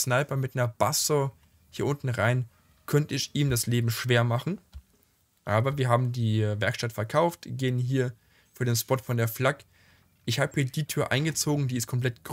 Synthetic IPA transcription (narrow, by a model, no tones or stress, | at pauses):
naɪpɐmɪtnɐb̥aso | hiːɐʔʊntn̩ʁaɪn | kʰœntəɪçʔiːmdasleːbm̩ʃv̥eːɐmaχn̩ | ʔaːbɐviːɐɦaːbm̩diːvɛɐkʃtatfɛɐkʰaʊftɡ̥eːənɦiːɐ | fyːɐdeːnspɔtfɔndeːɐflak | ʔɪçhaːbəhiːɐdiːtʰyːɐʔa̰ɪnɡət͡soːɡŋ̩diːɪstkʰɔmpl̥ɛtɡ̥